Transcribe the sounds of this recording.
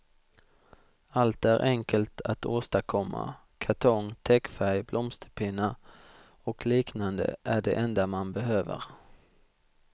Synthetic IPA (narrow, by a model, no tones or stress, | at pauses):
alt̪æɾʔɛŋkəlt̪ʰat̪oːst̪akʰɔmːa̰ | kʰaʈ̪ʰɔŋt̪ʰɛkfæɾjblʔɔmst̪ʰəpʰɪnːa | ɔkliːknand̪ə̰ʔæɖɛ̰ʔɛnd̪amanbɛɦøːvə̰ɾ